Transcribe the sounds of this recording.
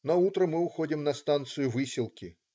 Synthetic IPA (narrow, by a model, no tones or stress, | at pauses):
nɐut̪ɾəmɨʊxo̞dʲɪmnɐst̪ant̪sɨjʊvɨsʲɪlˠkʲɪ